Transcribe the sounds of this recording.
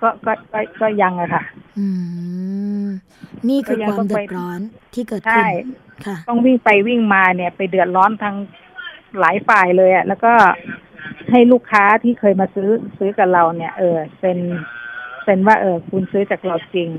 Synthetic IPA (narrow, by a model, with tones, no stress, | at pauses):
kɔː˧˥˩kɔː˥˩kɔː˥˩kɔː˧˥˩ja˧ŋa˨˩kʰa˧˩ɯː˧˩ | niː˥˧˩kʰːɯː˧˥˩ja˧ŋa˧t̪ɔ˥˩dɯ˨a˧jɔː˦˥nt̪ʰiː˥˩kɤː˨˩tt͡ɕʰa˥˩j | kʰa˧˩t̪ɔ˥˩ŋwi˥˩ŋpa˧jwi˥˩ŋmaː˧ni˧˩ɐpa˧˨jdɯ˨˩ət̪̚ɾɔː˦˥nt̪ʰa˦˥ŋ | laː˨˦jfaː˨˩jlɤː˧jʔa˨˩lɛː˦˧˥wkɔː˥˩ | ha˥˩jluː˥˩kʰːaː˦˥t̪ʰiː˥˩kʰɤː˧jmaː˧sɯː˦˥sɯː˦˥ka˨˩la˧˩wni˧˥˩ɐʔɤː˧˩se˧˩n | se˧˩nwaː˥˩ʔɤː˧˩kʰu˧nsɯː˦˥t͡ɕaː˨˩k̚la˧˩wt͡ɕi˧ŋ